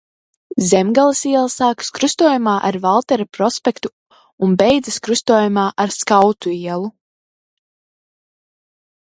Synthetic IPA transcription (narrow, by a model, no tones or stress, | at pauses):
zɛmɡalˠasiɛlˠasaːkɨ̥skɾust̪uɔjumaːʔaɾvalˠt̪ɛɾapɾɔspʲɛkt̪u | unbɛjd̪zaskɾust̪uɔːjumaːʔaɾskawt̪uiɛlˠu